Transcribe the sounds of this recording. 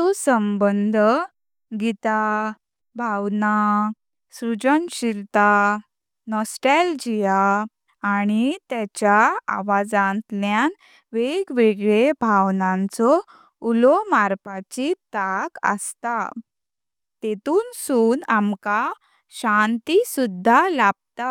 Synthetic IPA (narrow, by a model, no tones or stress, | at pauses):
ɔsəmbənd̪ʱ | ɡit̪a | bʱawna | sɾud͡ʑənɕilt̪a | nɔsʈald͡ʑijaː | ɽ̃it̪jat͡ɕjaa̰ʋad͡zãnt̪ljan | ʋeɡʋeɡɭebʱaʋnãnt͡sɔ | ulɔmaɾpat͡ɕit̪akə̰st̪a | t̪et̪uːnsuːnamka | ɕant̪isud̪ʱːalab̚t̪a